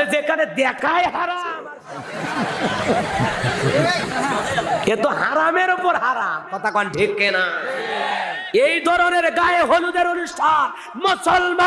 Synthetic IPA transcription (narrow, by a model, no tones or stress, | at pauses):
ed͡ʒekaɾed̪akajɦaɾat͡ʃm | et̪oɦaɾameɾupɔɾɦaɾamkɔt̪akɔnɖʱikːena | eid̪ʱɔɾɔneɾeɡajeɦolud̪eɾonisʈʰaɾ | mɔt͡ʃɔlma